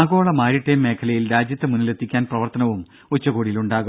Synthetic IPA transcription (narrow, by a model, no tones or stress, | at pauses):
aːɡo̞ːɭɐmaːɾiʈːemːe̞ːkʰɐlɐjilɾaːd͡ʑjɐt̪ːemunːilet̪ʰːikʲːaːnprɐʋɐrt̪ɐnɐʋum | ut͡ɕːɐɣoːɽiluɳɖaːɣu